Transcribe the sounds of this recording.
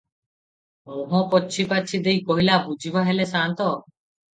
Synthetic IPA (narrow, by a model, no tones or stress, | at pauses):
moɦɔ̃pɔːt͡ʃʰipat͡ʃʰid̪ejkɔɦilabud͡ʒʱibaɦelesant̪ɔ